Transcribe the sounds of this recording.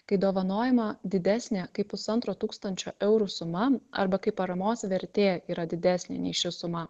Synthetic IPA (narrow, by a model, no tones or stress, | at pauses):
kɐɪd̪oːʋɐnoːjɛmɐd̪ʲɪd̪ʲæːsʲnʲekɐɪpʊsɐnt̪ɾoːt̪uːkst̪ɐnʲt͡ʃʲo̰ːʔɛʊɾuːsʊmɐɐ̰ɾbɐkɐɪpɐɾɐmoːsʋʲɛɾʲt̪ʲeːiːɾɐd̪ʲɪd̪ʲæːsʲnʲḛnʲɛ̰ɪʃʲɪsʊmɐ